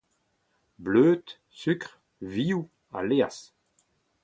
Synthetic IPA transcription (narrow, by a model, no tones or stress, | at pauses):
bløːt̪ | sykʁ | viːu | a̰leːa̰s